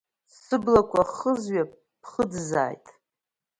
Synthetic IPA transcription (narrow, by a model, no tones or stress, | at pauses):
sɨblakʷʰʼaχəzɥa | pʰχədza̰ːjtʼ